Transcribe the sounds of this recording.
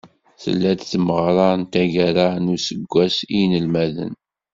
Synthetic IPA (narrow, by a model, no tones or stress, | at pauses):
θə̰lːæd̪θməʁɾˤɑnt̪æʝæɾanusəɡʷːæsinəlmæðə̰n